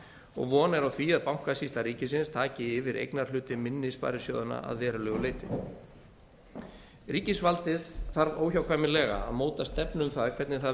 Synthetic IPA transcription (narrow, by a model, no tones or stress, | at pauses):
ɔ̰ɣvɔːnɛɾawθiːjaðpawŋ̥kasist̪aɾiːcɪsɪnst̪ʰaːcɪɪvɪɾʔḛjknaɾ̥lʏːt̪ɪmɪnːɪspa̰ːɾɪsjo̰wðʏna̰ʔa̰ðvɛːɾʏlɛːɣʏleːjt̪ɪ | riːcɪsvalt̪ɪðθaɾvoːwçawkʰvajmɪlɛːɣa̰a̰ðmoːwt̪ast̪ɛpnʏmθaðkʰvɛɾt̪nɪθa